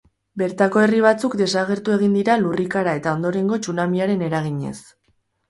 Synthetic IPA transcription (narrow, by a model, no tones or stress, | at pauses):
be̞ɾt̪ako̞e̞riβ̞at͡sukd̪e̞saɣ̞e̞ɾt̪ue̞ɣ̞ind̪iɾalurikaɾae̞t̪ao̞nd̪o̞ɾe̞ŋɡo̞t͡ʃunamiaɾe̞ne̞ɾaɣ̞iɲe̞̰s